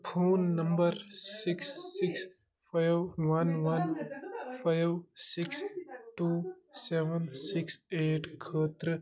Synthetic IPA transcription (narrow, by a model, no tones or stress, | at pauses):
pʰoːnːəmbəɾsiksːɪks | pʰajʋʋɐnʋɐnpʰajwsiksʈuːseʋənsikseːʈkʰət̪ɾ